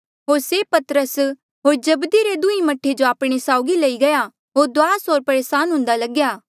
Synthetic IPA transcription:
ɦoːɾsepɐt̪ɾəs | ɦoːɾd͡ʒɐbd̪iɾed̪ʊimɐʈʰːed͡ʒoaːpɽ̃esaːʊɡilɐiɡɐja | ɦoːɾd̪waːsoːɾpɐɾeːsaːnɦʊ̃nd̪alɐɡjaː

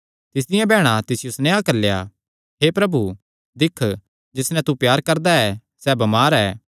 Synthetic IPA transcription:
t̪ɪs̬d̪ɪjãbʱɛːɽ̃at̪ɪsjʊsnɛakɐɾlja̰ | ɦepɾɐbu | d̪ɪkʰ | d͡ʒɪsnɛ̃t̪upjaːɾkɐɾd̪aɛː | sɛbɐmaːɾɛː

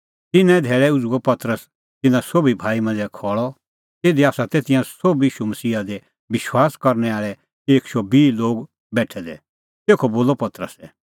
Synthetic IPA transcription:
t̪ɪnɛ̃d̪ʱɛːɭɛʊd͡zuɡɔpɐt̪ɾəs | t̪ɪnãsoːbibʱaːimɐ̃nd͡zɛkʰɔːɭɔ | t̪eːd̪iaːsat̪eːt̪ɪjãsoːbiːʃumɐsiːad̪e | ʋɪʃwaːskɐɾnɛaːɭɛ | eːkʃobiːloːɡ | bɛːʈʰɛd̪ɛ̰ | t̪eːkʰoboːlɔpɐt̪ɾəsɛ

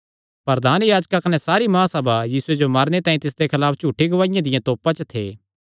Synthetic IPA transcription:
pɐɾd̪aːnjaːd͡ʒkakɐnɛ̃saːɾimãːsɐbajiːsʊed͡ʒomaɾnet̪ãːĩt̪ɪs̬d̪ekʰɐlaːpʰt͡ʃuːʈʰːiɡɐʋaːɪjãd̪ɪjãt̪oːpãt͡ʃət̪ʰḛː

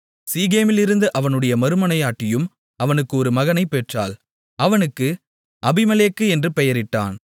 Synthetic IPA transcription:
siːɣeːmɪlɪɾɯnd̪ɯʔɐʋɐnɯɽɐjɐmɐɾɯmɐnɐjaːʈːɪjɯm | ɐʋɐnɯkːɯɔɾɯmɐɣɐnɐɪpːeːʈra̰ːl | ʔɐʋɐnɯkːɯ | ʔɐbɪmɐleːkːɯɛndrɯpɛjɐɾɪʈːa̰ːn

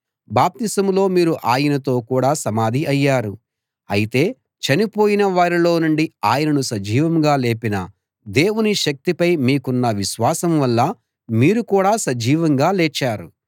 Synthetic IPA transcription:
baːp̚t̪isɐmlo̞ːmiːɾuʔaːjɐnɐt̪o̞ːkuːɽaːsɐmaːd̪ʱiɐjːaːɾu | ɐjit̪e̞ː | t͡ʃɐnipo̞ːjinɐʋaːɾilo̞ːnuɳɖiaːjɐnɐnusɐd͡ʒiːʋɐmɡaːle̞ːpinɐ | d̪e̞ːwuniʃɐk̚t̪ipɐjmiːkunːɐʋiʃʋaːsɐmʋɐlːɐ | miːɾukuːɽaːsɐd͡ʒiːʋɐŋɡaːleːt͡ʃːaːɾṵ

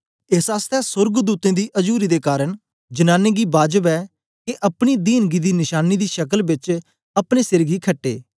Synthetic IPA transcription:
ɪsaːst̪ɛːsʊɾɡd̪uːt̪ẽːd̪iːʔəd͡ʒuːɾiːd̪eːkaːɾəɳ | d͡ʒənaːnẽːɡiːbaːd͡ʒəbɛː | keʔɐpɽ̃iːd̪iːnɡiːd̪iːnɪʃaːniːd̪iːʃəkəlbɪt͡ʃ | ɐpɽ̃eːsɪɾɡiːkʰəʈːḛː

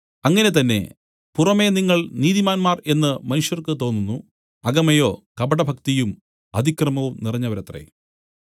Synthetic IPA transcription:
ɐŋːɐne̞t̪ɐnːe̞̰ | purɐmeniŋːɐɭniːðimaːnmaːre̞nːɨmɐnuʂjɐrkɨt̪o̞ːnːunːu | ɐɡɐmɐjo̞ːkɐbɐɽɐbʱɐkt̪ijum | ɐd̪ʱikrɐmɐʋumnirɐɲːɐʋɐɾɐt̪rḛ

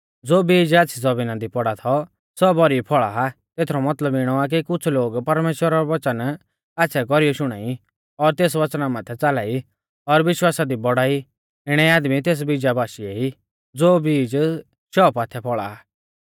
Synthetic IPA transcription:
d͡zoːbiːd͡ʒaːt͡sʰid͡zɔbiːnãd̪ipɔɽat̪ʰɔ | sɔbɔɾipʰɔɭaat̪eːt̪ʰɾɔmɐt̪ləbɪɽ̃ɔak̬ikʊt͡sʰloːɡpɐɾmeːʃwəɾaɾɔʋɐt͡ʃən | aːtːsʰɛk̬ɔɾijɔʃʊɽ̃a̰ːi | ɔɾt̪eːs̬ʋɐt͡ʃnamãt̪ʰɛt͡salaːi | ɔɾʋɪʃwaːsad̪ibɔɽaːi | ɪɽ̃ɛaːd̪mit̪eːs̬bid͡ʒabaːʃiɛi | d͡zoːbiːd͡ʒ | ʃɔːpat̪ʰɛpʰɔɭa̰a

